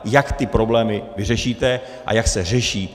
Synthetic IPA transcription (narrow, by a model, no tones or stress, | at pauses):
jakt̪ɪpɾo̞blɛːmɪvɪrɛʃiːt̪ɛ | ʔa̰jaksɛrɛʃiː